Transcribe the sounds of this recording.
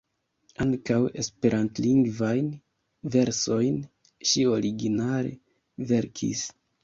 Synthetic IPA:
aŋkawe̞spe̞ɾʔantliŋɡvajn | ve̞ɾso̞jn | ʃio̞ɾiɡinaɾḛ | ve̞ɾkʰḭs

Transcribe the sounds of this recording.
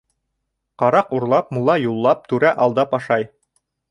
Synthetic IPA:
qɑɾɑquɾlˠɑpmulˠɑjulˠːɑp̚t̪ʉɾæʔɑlˠd̪ɑpɑʃɑj

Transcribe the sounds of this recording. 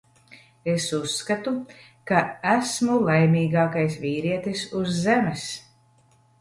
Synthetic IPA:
esusːkat̪u | kaæsmulˠajmʲiːɡaːkajsviːɾiɛt̪isuzːɛmɛs

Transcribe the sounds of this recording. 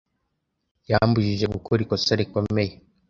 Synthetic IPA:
jambuʒiʒe̞ɡukʰoɾikosaɾikomeje

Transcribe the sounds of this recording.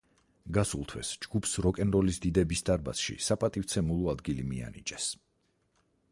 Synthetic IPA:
ɡasulˠt̪ʰwɛ̰sd͡ʒɡupʰsɾɔkʼɛnɾɔlisd̪id̪ɛbisd̪aɾba̰sʃḭsapʼat̪ʼift̪sʰɛmulˠɔad̪ɡilimia̰nit͡ʃʼɛs

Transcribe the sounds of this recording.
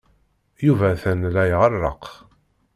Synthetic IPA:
juvæθænlæjʁəɾːə̰q

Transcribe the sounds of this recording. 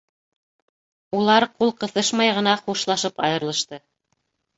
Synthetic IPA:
ulˠɑɾqulˠqɤ̆θɤʃmɑjʁɤ̆nɑχuʃlˠɑʃɤpɑjɤ̆ɾlˠɤ̆ʃt̪ɤ

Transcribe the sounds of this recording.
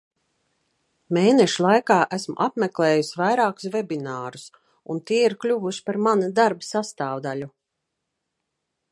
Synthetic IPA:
meːnɛʃulˠajkaːʔæsmṵʔapmɛklˠeːjusʲvajɾaːku̥svɛbinaːɾus | ṵnt̪iɛiɾklʲuvuʃi̥paɾmanad̪aɾbasast̪aːwd̪alʲu

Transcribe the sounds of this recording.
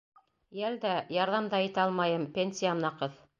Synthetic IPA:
jæld̪æjɑɾðɑmd̪ɑit̪æɑlˠmɑjɤmpʲenʲsʲiamnɑqɤð

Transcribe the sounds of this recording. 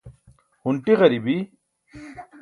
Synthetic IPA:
huɳʈiɣɐɾibi

